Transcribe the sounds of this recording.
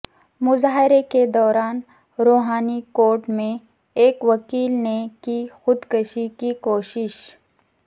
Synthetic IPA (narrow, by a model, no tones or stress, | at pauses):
mʊzaːɦɪɾeked̪ɔːɾaːn | ɾoːɦaːnikoːɾʈmẽ | eːkʋɐkiːlnekixʊd̪kəʃikikoːʃɪʃ